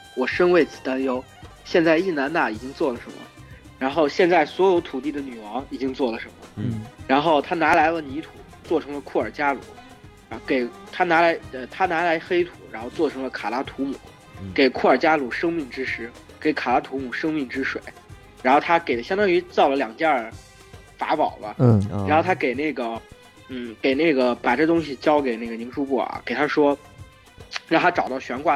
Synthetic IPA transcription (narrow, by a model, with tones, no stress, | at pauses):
wɔ˨˩ʂə˥nwe˥˩ɪt͡sɹ̩˨˩t̪a˥njo˥ʊ | ɕjɛ˥˧nt͡sa˥˧ɪi˥˩na˧˥nna˥˩i˨˩t͡ɕi˥ŋt͡swɔ˥˩lə˩ʂə˧˥nmə̰˧ | ɻa˧˥nxo˥˧ʊɕjɛ˥˧nt͡sa˥˩ɪswɔ˧˥jo˧˥ʊt̪ʰu˨˩t̪̬i˥˩d̪ə˩ny˨˩wɑ˧˥ŋi˨˩t͡ɕi˥ŋt͡swɔ˥˩lə˩ʂə˧˥nmə˧ɻa˧˥nxo˥˩ʊt̪ʰa˥na˧˥la˧˥ɪlə˧ni˧˥t̪ʰu˨˩˦ | t͡swɔ˥˩ʈ͡ʂʰɤ˧˥ŋlə˧kʰu˥˩ə˞˨˩t͡ɕja˥lṵ˨˩˦ | ke˨˩ɪt̪ʰa˥na˧˥la˧˥ɪə˧t̪ʰa˥na˧˥la˧˥ɪxe˥ɪt̪ʰu˨˩˦ɻa˧˥nxo˥˧ʊt͡swɔ˥˩ʈ͡ʂʰɤ˧˥ŋlə˧kʰa˨˩la˥t̪ʰu˧˥mu˨˩˦ | ke˨˩ɪkʰu˥˩ə˞˨˩t͡ɕja˥lu˨˩ʂɤ˥ŋmi˥˩ŋʈ͡ʂɻ̩˥ʂɻ̩˧˥ke˨˧˥ɪkʰa˨˩la˧˥t̪ʰu˧˥mu˨˩ʂɤ˥ŋmi˥˩ŋʈ͡ʂɻ̩˥ʂwe˨˩˦ɪ | ɻa˧˥nxo˥˩ʊt̪ʰa˥ke˨˩ɪlə˦ɕjŋt̪ɑ˥ŋy˧˥t͡sɑ˥˩ʊlə˨ljɑ˨˩ŋt͡ɕja˥˩ | fa̰˧˥pɑ˨˩ʊlə˦˧˥xo˥˩ʊt̪ʰa˥ke˨˩ɪne˥˩ɪɡə˩ | n̩˥˩ke˨˩ɪne˥˩ɡə˩pa˨˩ʈ͡ʂɤ˥˩t̪ʊ˥ŋɕi˨t͡ɕjɑ˥ʊke˨˩ɪne˥˩ɡə˩ni˧˥ŋʂu˧˥pu˥˩a̰˧˩ke˨˩ɪt̪ʰa˥ʂwɔ˥ | ɻɑ˥˩ŋt̪ʰa˥ʈ͡ʂɑ˨˩ʊt̪ɑ˥˩ʊɕɥɛ˧˥nkwa˥˩